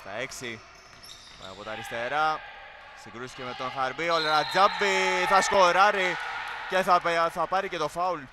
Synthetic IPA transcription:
st̪ɐ̰eksi | ɐ̰pot̪ɐɾist̪eɾɐ | siŋɡɾusi̥cemet̪ːonxɐɾbioleɾɐd͡zɐbːiθɐskoɾɐɾiceθɐpθɐpɐɾicet̪ofɐul

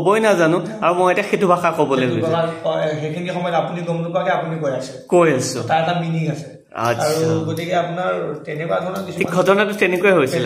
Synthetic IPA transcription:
bɔjnazanʊ̃aɹumojetijaxetubʱaxakobɔlɛɡoaɔɦekʰinixɔmɔjɔapuniɡɔmlukɔakɛapunikojasikojasʊ̰̃taɹɛtaminiŋasɛ | a̰aɹuaɡotikɛapunaɹtɛnɛkuadʱɔɹɔnɔkisikʰɔdʱɔɹnatʊtɛnɛkojɛɦojsil

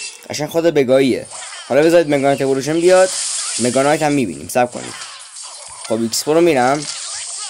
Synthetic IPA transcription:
ɢæ̰ʃænxod̪ebeɡɒːiḛhɒlɒːbe̞zɒːɾid̪meɡɒnt̪ʰepoluʃ̬enbijɒd̪̥meɡɒnɒjt̪ʰæmːiːbḭːnḭːmsæp̚kʰo̰nḭːd̪̥ | χobikspoɾomiːɾæm

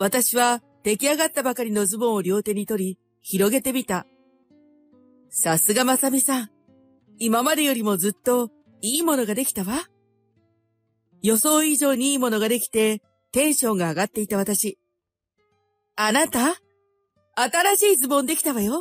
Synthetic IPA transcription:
βat̪aɕiβa | t̪e̞kʲiaɡat̪ːabakaɾʲino̞zɨbõ̞ɰ̃o̞ɾʲo̞ːt̪e̞ɲ̟it̪o̞ɾʲi | çiɾo̞ɡe̞t̪e̞mʲit̪a | sasɨɡamasamʲisãɴ̃ | imamad̪e̞jo̞ɾʲimo̞zɨt̪ːo̞ | iːmo̞no̞ɡad̪e̞kʲi̥t̪aβa | jo̞so̞ːiʑo̞ːɲ̟iiːmo̞no̞ɡad̪e̞kʲi̥t̪e̞ | t̪ẽ̞ɰ̃ɕõ̞ŋɡaːɡat̪ːe̞it̪aβat̪aɕi | anat̪a | t̪aɾaɕiːzɨbõ̞nd̪e̞kʲi̥t̪aβajo

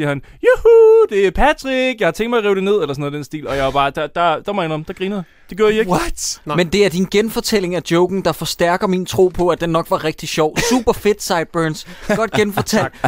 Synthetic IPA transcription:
iɐhænjuhud̥e̝æɐpʰæt͡sʰʁiɡ̥jɑ̈hɑ̈t͡sʰeŋ̰ɡ̥̚d̥mɑɪʁɛːʊd̥e̝ne̝ð̞̰ˠelɐsɔnːð̩ˠd̥ensd̥ḭːlɒ̽jɑ̈ɪɑ̈b̥ɑ̈ːd̥ɑd̥ɑd̥ɑ̈mɑ̈ɪnɐmd̥ɑ̈ɡ̥ʁiːnəðˠ | d̥e̝ɡ̥jo̰ɐ̰ɡie̥mend̥e̝æɐd̥inɡ̥enfɒ̽t͡sʰel̰e̝ŋæd̥jɔʊɡ̥n̩d̥ɑ̈fɒ̽sd̥æɐɡ̥ɐmint͡sʰʁo̝̰ːpʰɒ̽æd̥enːɒ̽ɡ̥ʋɑ̈ʁɛɡ̥̚d̥iɕɒʊ̰sṵːb̥ɐfe̝d̥sɑ̈ɪd̥̚b̥øːnsɡ̥ɒ̽d̥̚ɡ̥enfɒt͡sʰæl

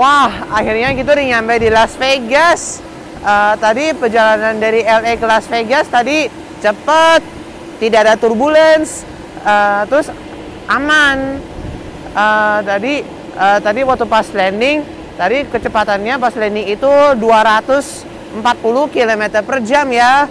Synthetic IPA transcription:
wahahirɲaɡit̪̬uɾiɲampajdilasfeɡas | ət̪adipərd͡ʒalanandaɾiɛlekəlasfeɡast̪adi | t͡ʃəpət̪̚ː | idaadat̪urbuləns | ət̪ɾʊs | ʔaman | ət̪adi | ʔət̪adiwat̪upaslɛndɪŋ | t̪adikət͡ʃəpat̪anɲapaslɛndɪŋit̪uduaɾat̪ʊs | əmpat̪̚puluhkilomɛt̪ərpərd͡ʒamja

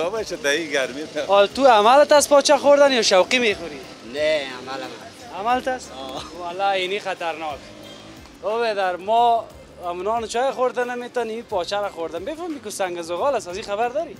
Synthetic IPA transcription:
ɔbaʃad̪aiɡaɾmit̪aɔt̪uamalt̪aspɔt͡ʃaxoɾd̪anjɔʃawqimexʊɾi | nea̰malama̰ | amalt̪aswalːainixat̪aɾnɔːk | obed̪aɾmɔ | amunɔːnt͡ʃɔjexoɾd̪anamet̪ɔnimipɔt͡ʃaɾaχoɾd̪anbefɔmikusaŋɡazʊɣɔlasazixaβaɾd̪ɔɾi

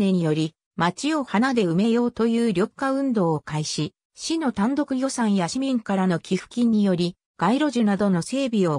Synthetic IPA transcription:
ne̞ɲ̟ijo̞ɾʲi | mat͡ɕio̞hanad̪e̞ɯ̟me̞jo̞ːt̪o̞jɯ̟ːɾʲo̞kːaɯ̟̃nd̪o̞ːkaiɕi | ɕino̞t̪ãnd̪o̞kɯ̟jʲo̞sãɰ̃jaɕimʲĩŋkaɾano̞kʲiɸɯ̟̥kʲĩɲ̟ːijo̞ɾʲi | ɡ̥aiɾo̞ʑɨnad̪o̞no̞se̞ːbʲio̞

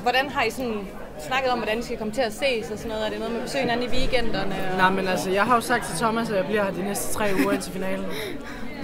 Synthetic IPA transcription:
ʋɒɾ̥ænɦɑ̈isɒ̽n | snɑ̈ɡ̥ð̞̩ˠɒmʋɒɾ̥ænd̥isɡ̥ækʰɒ̽mət͡sʰe̝æse̝̰ːsɒsɒnːɔ̽ːð̞̩ˠɐɾ̥e̝noːð̞̩ˠmeæb̥esø̰ːhe̝næn̩niʋiːɡ̥en̰d̥ɐnənɑɪmenælsəjɑ̈ɪɦɑ̈jo̝sɡ̥d̥̚t͡sʰe̝t͡sʰɒ̽mæs̬ɒjɑ̈ɪb̥liɐ̰d̥inesd̥ə̥t͡sʰʁɛ̰ːuːɐent͡sʰe̝lfinɛ̰ːln̩

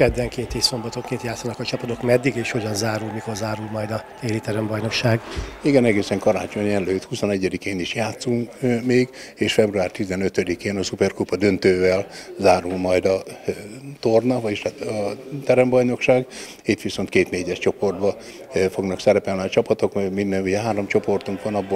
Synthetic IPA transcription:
kɛd̪vɛŋkeːt̪iso̞mbɒt̪oŋkeːnt̪jaːt̪sːɒnɒkɒt͡ʃɒpɒt̪o̞kmɛd̪ːiɡeːʃho̞ɟɒnzaːɾulmiko̞rzaːɾulmɒjd̪ɒt̪eːlit̪ɛɾɛmbɒjno̞kʃaːɡiɡɛnɛɡeːsɛŋkɒɾa̰ːt͡ʃo̞ɲɛløːt̪husonɛɟːɛd̪ikeːniʃjaːt̪suŋkmeːɡ | eːʃfɛbruaːrt̪izɛnøt̪ød̪ikeːnɒsupɛrkupɒd̪ø̞nt̪øːvɛlzaːɾulmɒjd̪ɒ | t̪ornɒʋɒiʃt̪ɒt̪ɛɾɛmbɒjno̞kʃaːɡ | it̪ʋiso̞nt̪keːt̪neːɟɛʃt͡ʃo̞po̞rd̪bɒ | fo̞ɡnɒksɛɾɛpɛlniɒt͡ʃɒpɒt̪o̞kminːɛnuɟɛɦaːɾo̞mt͡ʃo̞po̞rt̪uŋkʋɒnɒbːoː

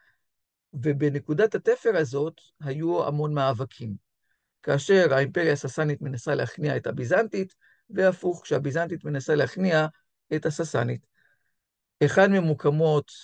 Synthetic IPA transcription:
ve̞be̞ne̞kudathate̞fe̞ʁazo̞t | hajua̰mo̞nmaːvakʰim | kaːʃe̞ʁaimpe̞ʁjasasanitme̞nasalehaχniaethabizantit | vehafuχkʃehabizantitme̞nasalehaχnia | e̞thasasa̰nit | e̞χadmemukʰamo̞t

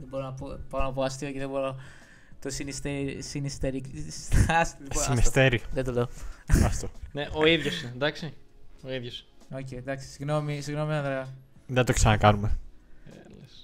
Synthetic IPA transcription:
ðebo̞ɾonɐpoboɾonɐpoɐst̪ioceðebo̞ɾo | t̪osinist̪eisinist̪eɾi | ɐslisinist̪eɾiðet̪oleoɐft̪oneʔo̞iðʝosinend̪ɐksioiðʝosocejd̪ɐksi̥siɣno̞misiɣno̞miɐnðɾɐðet̪oksɐnɐkɐnumeeles

